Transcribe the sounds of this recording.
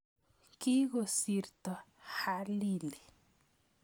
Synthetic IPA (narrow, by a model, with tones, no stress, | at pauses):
ki˦ɣo˨si˨ɾt̪ɔ˨ha˦li˦li˨